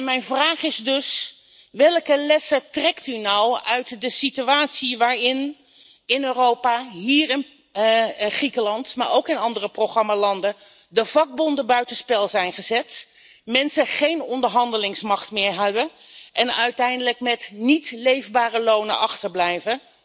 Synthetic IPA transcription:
mɛjnvraːχɪzdɵs | ʋɛlˠkəlɛsətrɛktynɑwœɥtdəsityaːtsiʋaːɹɪn | ɪnøːrowpaɦiːɹɪn | χrikəlɑntmaːɹowkɪnɑndərəprowχrɑmalɑndə | dəvɑɡ̚bɔndəbœɥtənspɛlˠzɛjnχəzɛt | mɛnsəχejnɔndəɹɦɑndəlɪŋsmɑχtmɪːɹɦɛbə | ʔɛnœɥtɛjndələkmɛtnitlejvbaːrəlownə̰nɑχtəɹblɛjvə

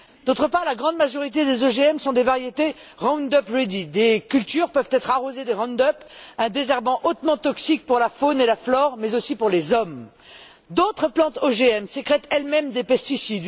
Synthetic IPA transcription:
d̪̥ot̪χəpaʁlaɡʁɑ̃d̪maʒɔʁit̪̬ed̪ezoʒeɛmsɔ̃d̪evaʁjet̪eʁɔ̃nd̪ɔpʁed̪id̪ekʲylt̪yʁpœvt̪ɛt̪χaʁozed̪eʁɔ̃nd̪œpɛ̃d̪ezɛʁbɑ̃ʔot̪mɑ̃t̪ɔksik̚puʁlafonelaflɔʁmɛzosipuʁlezɔm | d̪ot̪χəplɑ̃t̪oʒeɛmsəkχɛt̪ɛlmɛmd̪epɛst̪isid̪

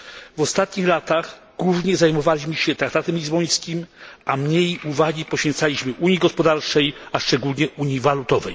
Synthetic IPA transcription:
vɔst̪at̪ɲixlat̪aɣ | ɡ̥wuvɲɛzajmɔvalʲiʑmɘɕɛt̪ɾakt̪at̪ɛmlʲizbɔj̃skʲimamɲejuvaɡʲipɔɕfʲɛnt̪salʲiɕmɘʔuɲjiɡɔspɔd̪aɾt͡ʂɛjaʂt͡ʂɛɡulɲɛʔuɲivalut̪ɔvɛ̰j

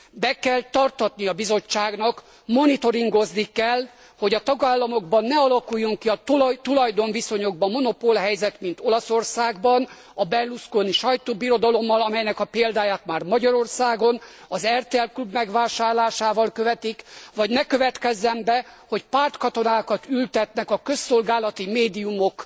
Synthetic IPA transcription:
bɛkɛlt̪ɒrt̪ɒt̪niɒbizo̞t͡ʃːaːɡnɒk | mo̞nit̪o̞ɾiŋɡo̞znikɛl | ho̞ɟɒt̪ɒɡaːlːɒmo̞ɡbɒnːɛɒlɒkujːuŋkiɒt̪t̪ulɒjd̪o̞nviso̞ɲo̞ɡ̚bɒmːo̞no̞polɦɛjzɛt̪mint̪o̞lɒso̞rsaːɡbɒn | ɒbɛlːuskoniʃɒjt̪oːbiɾo̞d̪ɒlo̞mːɒlɒmɛjnɛkɒpeːld̪aːjaːt̪maːrmɒɟɒɾo̞rsaːɡo̞nɒzɛrt̪eːɛlklubmɛɡʋaːʃaːrlaːʃaːvɒlkø̞vɛt̪ikvɒɟnɛkø̞vɛt̪kɛzːɛmbɛho̞cpaːrt̪kɒt̪o̞naːkɒt̪ylt̪ɛt̪nɛkɒkø̞sːo̞lɡaːlɒt̪imeːd̪iumo̞k

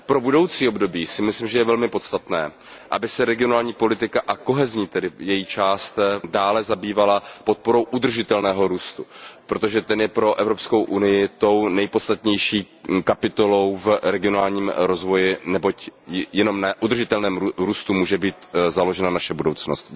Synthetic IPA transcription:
pɾo̞budo̞wt͡siːobdo̞biːsɪmɪslimʒɛjɛvɛlmɪpo̞t̪st̪at̪nɛː | ʔa̰bɪsɛɾɛɡɪo̞naːlɲiːpo̞lɪt̪ɪkaʔako̞ɦɛzɲiːt̪ɛdɪjɛjit͡ʃaːst̪daːlɛzabiːvalapo̞t̪̚po̞ɾo̞wʔud̪r̩ʒɪt̪ɛlnɛːɦo̞ɾuːst̪upɾot̪o̞ʒɛt̪ɛnjɛpɾo̞ʔɛvɾo̞psko̞wʔunɪjɪt̪o̞wnɛjpo̞t̪st̪at̪ɲɛjʃiː | kapɪt̪o̞lo̞wvɾɛɡɪo̞naːlɲiːmɾo̞zvo̞jɪnɛbo̞cjɛno̞mnaʔud̪r̩ʒɪt̪ɛlnɛːmuɾuːst̪umuːʒɛbiːt̪zalo̞ʒɛnanaʃɛbudo̞wt͡snost̪

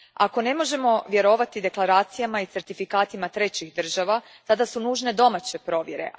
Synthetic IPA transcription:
a̰ko̞ne̞mo̞ʒe̞mo̞ʋje̞ɾo̞ʋat̪id̪e̞klˠaɾaːt̪sijamait̪se̞ɾt̪ifikaːt̪imat̪ɾe̞t͡ɕiɣd̪r̩ʒaʋa | t̪ad̪asunuːʒne̞d̪o̞mat͡ɕe̞pɾo̞ːʋje̞ɾḛ

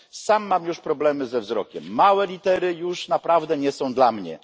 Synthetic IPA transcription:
samːamjuʂpɾɔblɛmɘzɛvzɾɔkʲɛmːawɛlʲit̪ɛɾɘjuʂnapɾavd̪ɛɲɛsɔ̃w̃d̪lamɲɛ̰

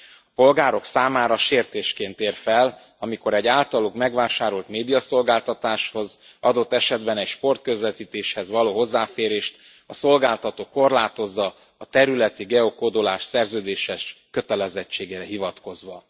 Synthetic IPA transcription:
ɒpo̞lɡaːɾo̞ksaːmaːɾɒʃeːrt̪eːʃkeːnt̪eːrfɛl | ɒmiko̞ɾɛɟaːlt̪ɒluɡmɛɡʋaːʃaːɾolt̪meːd̪ijɒso̞lɡaːlt̪ɒt̪aːʃho̞zʔɒd̪o̞t̪ːɛʃɛd̪bɛnɛɟʃpo̞rt̪̚køzʋɛt̪iːt̪eːʃhɛzʋɒloːɦo̞zːaːfeːɾeːʃt̪ | ɒso̞lɡaːlt̪ɒt̪oːkːo̞rlaːt̪o̞zːɒː | t̪ɛɾylɛt̪iɡɛokod̪olaːʃsɛrzøːd̪eːʃɛʃkø̞t̪ɛlɛzɛt͡ʃːeːɡeːɾɛɦivɒt̪ko̞zʋɒ

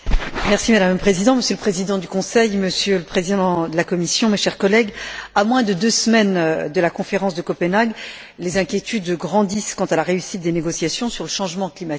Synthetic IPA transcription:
mɛʁsimad̪amləpχezid̪ɑ̃məsjøləpχezid̪ɑ̃d̪ykɔ̃sɛjməsjøləpχezid̪ɑ̃d̪əlakɔmisjɔ̃meʃɛʁkɔlɛɡamwɛ̃d̪əd̪øsmɛnd̪əlakɔ̃feʁɑ̃sd̪əkɔpənaɡ | lezɛ̃kʲjet̪ʰyd̪ɡʁɑ̃d̪iskɑ̃t̪alaʁeysit̪̚d̪eneɡɔsjasjɔ̃syʁləʃɑ̃ʒmɑ̃klimat̪ik

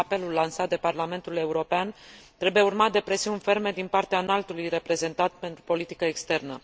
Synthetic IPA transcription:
ape̞lulːansat̪̚d̪eparlame̞nt̪ule̞uɾo̞peant̪ɾebuje̞urmat̪̚d̪e̞pɾe̞siunfe̞rme̞d̪inpart̪eaːnalt̪ulujre̞pɾe̞ze̞nt̪at̪̚pe̞nt̪ɾupo̞lit̪ikəekst̪e̞rnə

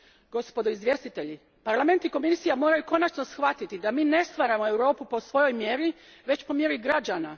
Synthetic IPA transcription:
ɡ̥o̞spo̞d̪oizʋje̞st̪it̪e̞ʎi | paɾlame̞nt̪iko̞misijamo̞ːɾajuko̞nat͡ʃno̞sxʋat̪it̪id̪amiːne̞st̪ʋaːɾamo̞e̞wɾo̞ːpupo̞sʋo̞jo̞jmje̞ɾi | ʋe̞t͡ɕpo̞mje̞ɾiɡɾad͡ʒana

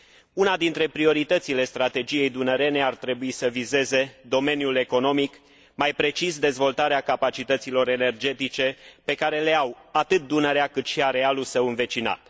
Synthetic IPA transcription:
unad̪int̪ɾe̞pɾio̞ɾit̪ət̪sile̞st̪ɾat̪e̞d͡ʒije̞jd̪unəɾe̞ne̞art̪ɾe̞buisəvize̞ze̞d̪o̞me̞njule̞ko̞no̞mik | majpɾe̞t͡ʃisd̪e̞zvo̞lt̪aɾeakapat͡ʃit̪ət̪silo̞ɾe̞ne̞rd͡ʒe̞t̪it͡ʃe̞pe̞kaɾe̞le̞awat̪ɨt̪̚d̪unəɾeakɨt̪ʃiaɾe̞alulsəwɨnve̞t͡ʃina̰t̪

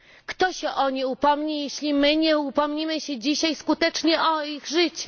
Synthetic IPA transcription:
kt̪ɔɕɛʔɔɲiupɔmɲijeɕlʲimɘɲɛupɔmɲimɘɕɛd͡ʑiɕajskut̪ɛt͡ʂɲɛʔɔiɣʐɘt͡ɕɛ̥

